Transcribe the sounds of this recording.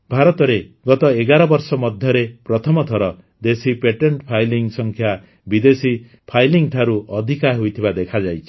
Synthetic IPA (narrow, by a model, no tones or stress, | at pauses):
bʱaɾɔt̪ɔɾeɡɔt̪ɔeɡaɾɔbɔɾsɔmɔd̪ʱjɔɾepɾɔt̪ʰɔmɔt̪ʰɔɾɔ | d̪esipeʈeɳʈpʰajliŋsɔŋkʰja | bid̪esi | pʰajliŋʈʰaɾuʔɔd̪ʱikaɦojt̪ʰibad̪ekʰad͡ʒajt͡ʃʰi̥